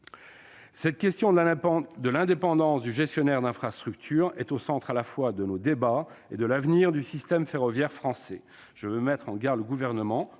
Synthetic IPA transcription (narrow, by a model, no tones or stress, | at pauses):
sɛt̪̚kʲɛst̪jɔ̃d̪əlɛ̃d̪epɑ̃d̪ɑ̃sd̪yʒɛst̪jɔnɛʁd̪ɛ̃fχast̪χyk̚t̪ʰyʁɛt̪osɑ̃t̪χalafwad̪ənod̪ebaed̪əlavniʁd̪ysist̪ɛmfeʁɔvjɛʁfχɑ̃sɛ | ʒ̥əvømɛt̪χɑ̃ɡaʁd̪ləɡuvɛʁnəmɑ̃